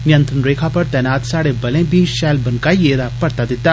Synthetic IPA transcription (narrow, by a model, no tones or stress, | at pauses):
mjɐ̃nt̪ɾənɾeːkʰapɐɾt̪ɛːnaːt̪saːɽebɐlẽbʱiʃɛːlbɐnkaːieːɾapɐɾt̪ad̪ɪt̪ːaː